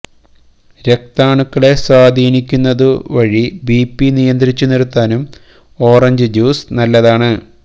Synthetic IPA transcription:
ɾe̞k̚t̪aːɳukːɐɭe̞swaːd̪ʱiːnikʲːunːɐðɨʋɐɻibiːpːinijɐnd̪ɾit͡ɕːuniɾut̪ːaːnum | o̞ːrɐɲd͡ʑɨd͡ʑuːsnɐlːɐðaːɳɨ

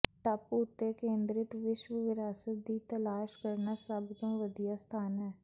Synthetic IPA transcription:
ʈəpʊt̪ːeːkẽːnd̪ɾɪt̪ʋɪʃʋəʋɪɾaːsət̪̚d̪iːt̪əlaːʃkəɾnaːsəbd̪õːʋəd̪ijaːst̪ʰaːnɦɛː

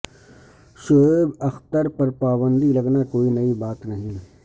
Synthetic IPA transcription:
ʃoːɪbɐxt̪əɾpɐɾpaːbə̃nd̪ilɐɡnakoːinɐibaːt̪nɐɦĩ

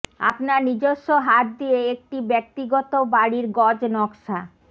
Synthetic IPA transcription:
a̰pnaɾnid͡ʑoʃːoɦat̪̚d̪ieek̚ʈibɛk̚t̪iɡɔt̪obaɽiɾɡɔd͡ʑnɔkʃa

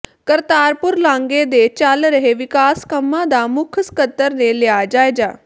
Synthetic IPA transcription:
kəɾt̪aːɾpʊɾlãːŋɡeːd̪eːt͡ʃəlɾəɦeːʋɪkaːskəmːãːd̪aːmʊkʰəskət̪ːəɾnelɪaːd͡ʒaːeːd͡ʒaː

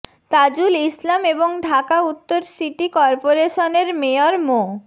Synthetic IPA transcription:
t̪ad͡ʑulislameboŋɖʱakaut̪ːoɾsiʈikɔɾpoɾeʃoneɾmeoɾmo

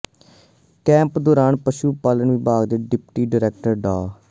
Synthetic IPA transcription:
kɛ̃ːmpd̪oːɾaːnpəʃuːpaːlənʋibaːɡd̪eːɖɪpʈiːɖəɾɛːkʈəɾɖaː

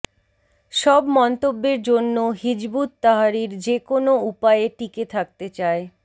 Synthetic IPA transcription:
ʃɔbmɔnt̪obːeɾd͡ʑonːoɦid͡ʑbut̪t̪ːaɦaɾiɾd͡ʑekonoupaeʈiket̪ʰak̚t̪et͡ɕae

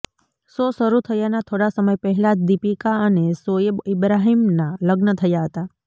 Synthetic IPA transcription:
sosəɾut̪ʰəjanat̪ʰoɽasəməjpəɦɛlad͡ʒd̪ipikaənesoebɪbɾaɦimnaləɡnət̪ʰəjaɦət̪a

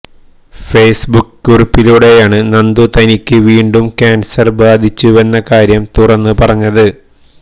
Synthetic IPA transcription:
fe̞ːsbukːurupːiluɽe̞jaːɳɨnɐnd̪ut̪ɐnikʲːɨʋiːɳɖumkʲaːnsɐrbaːd̪ʱit͡ɕːue̞nːɐkaːɾjɐmt̪urɐnːɨpɐrɐɲːɐðɨ

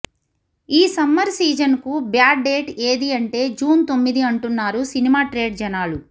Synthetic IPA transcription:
iːsɐmːɐɾsiːd͡ʒɐnkubjaːɖe̞ːʈe̞ːd̪iɐɳʈe̞ːd͡ʒuːnt̪o̞mːid̪iɐɳʈunːaːɾusinimaːʈɾe̞ːɖd͡ʒɐnaːlu

